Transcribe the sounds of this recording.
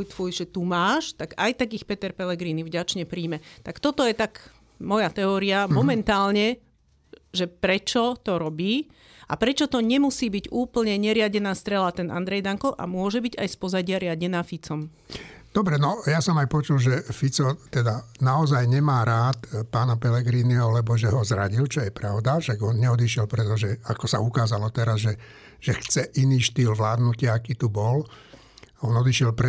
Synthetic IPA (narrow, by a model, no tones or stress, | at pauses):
ujt̪fujʒɛt̪umaːʃt̪aɡajt̪aɡixpɛt̪ɛɾpɛlɛɡɾiːnivɟat͡ʃɲɛpɾiːmɛt̪akt̪ɔt̪ɔjɛt̪aɡ | mɔjat̪ɛɔːɾiamɔmɛnt̪aːlɲɛ | ʒɛpɾɛt͡ʃɔt̪ɔɾɔbiː | ʔa̰pɾɛt͡ʃɔt̪ɔɲɛmusiːbiɟuːpl̩ɲɛɲɛɾɪaɟɛnaːst̪ɾɛlat̪ɛnʔa̰nd̪ɾɛjd̪aŋkɔʔa̰mʊɔʒɛbiɟa̰jspɔzaɟɪaɾɪaɟɛnaːfit͡sɔm | d̪̥ɔbɾɛnɔjasɔmajpɔt͡ʃulʒɛfit͡sɔt̪ɛd̪anaɔzajɲɛmaːɾaːt̪paːnapɛlɛɡɾiːniɔlɛbɔʒɛɦɔzɾaɟilt͡ʃɔjɛpɾaʊd̪aʃaɡɔnɲɛɔd̪iʃjɛlpɾɛt̪ɔʒɛakɔsa̰ukaːzalɔt̪ɛɾazʒɛ | ʒ̥ɛxt͡sɛʔiniːʃt̪iːlʋlaːd̪nucɪaakiːt̪ubɔl | ɔnɔd̪iʃjɛlpɾɛ